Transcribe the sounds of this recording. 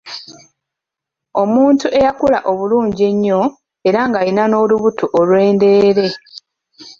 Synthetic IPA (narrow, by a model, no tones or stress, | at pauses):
o̞muːntuʔe̞jakula̰ʔo̞βuluːɲɟe̞ɲːo̞ | e̞ɾaŋɡaɾinano̞ːluβutuʔolwe̞ːnde̞ːɾe̞